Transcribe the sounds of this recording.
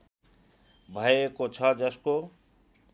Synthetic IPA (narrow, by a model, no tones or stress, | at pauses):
bʱʌjekot͡sʰʌd͡ʒʌsko